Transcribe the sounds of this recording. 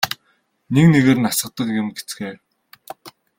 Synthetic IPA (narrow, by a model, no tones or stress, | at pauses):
nekneɣeːɾɘ̆nasə̆q̚t̪ə̆kjɪ̆mɡet͡sɡeː